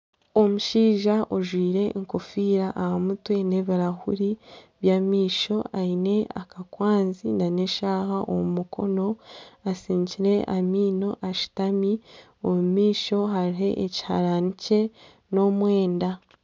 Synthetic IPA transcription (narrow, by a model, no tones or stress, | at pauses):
o̞muʃiːʒaʔoʒwiːɾe̞ŋko̞fiːɾaʔːhamutwe̞ne̞βiɾahṵɾiβjamiːʃo̞aine̞akakwaːnzinaneʃaːhaʔo̰mumukʰo̞no̞asiːɲciɾe̞ʔamiːno̞ʔaʃi̥tami | omumiːʃo̞ɦaɾiɦe̞̰ʔeci̥ha̰ɾanice̞ | no̞mwe̞ːnda